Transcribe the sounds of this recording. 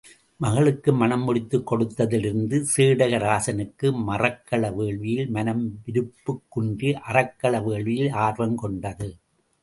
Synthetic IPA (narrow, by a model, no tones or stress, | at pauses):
mɐɣɐɭɯkːɯmɐnɐmːʊɽɪt̪ːɯkːɔɽɯt̪ːɐðɪlɪɾɯnd̪ɯseːɽɐɣɐɾaːsɐnɯkːɯmɐrɐkːɐɭɐʋeːɭʋɪjɪlmɐnɐmʋɪɾɯpːɯkːʊɳɖɯʔɐrɐkːɐɭɐʋeːɭʋɪjɪlaːɾʋɐmkɔɳɖɐðɯ